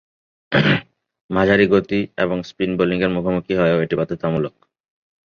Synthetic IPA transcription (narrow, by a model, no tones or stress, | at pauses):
mad͡ʑʱaɾiɡot̪iḛβoŋspɾinboliŋɡeɾmukʰomukiɦɔeoeʈipat̪ʰet̪amulok̚